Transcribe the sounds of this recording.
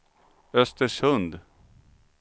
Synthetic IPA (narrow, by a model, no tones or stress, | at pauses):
œst̪əʂhɵnd̪